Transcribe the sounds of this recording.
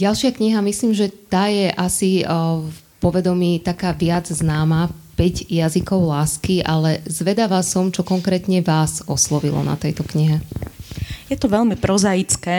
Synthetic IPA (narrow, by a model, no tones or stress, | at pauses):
ɟalʃɪakɲiɦamisliːmʒɛt̪aːjɛʔasi | pɔʋɛd̪ɔmiːt̪akaːʋɪad͡zznaːmapɛɟjazikɔʊlaːskiʔalɛzʋɛd̪aʋasɔmt͡ʃɔkɔŋkɾɛːt̪ɲɛʋaːzɔslɔʋilɔ̰na̰t̪ɛjt̪ɔkɲiɦɛ | jɛt̪ɔʋɛlmipɾɔzajit͡skɛː